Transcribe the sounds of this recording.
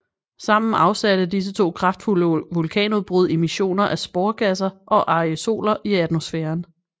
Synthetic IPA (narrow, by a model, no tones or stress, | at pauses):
sɑ̈m̰n̩ɑ̈ʊsæɾ̥əd̥is̬ət͡sʰo̝̰ːkʰʁɑ̈fd̥fuləʋulkʰɛ̰ːnuð̩ˠb̥ʁuð̞ˠe̝miɕo̝̰ːnɐʔæsb̥ɔːɐɡ̥æs̬ɐʔɒ̽ʔɑ̈ioso̝̰ːlɐʔiæd̥mo̝sfeːɐn